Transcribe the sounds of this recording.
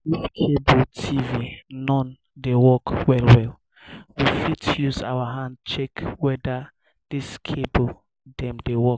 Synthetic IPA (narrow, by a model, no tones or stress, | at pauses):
diskʰebɔltʰivinɔ̃n | dewɔkwɛlwɛl | wifitjuza̰waɦãnd̚t͡ʃɛkwɛda | d̥iskʰebo | dɛ̃mdewɔk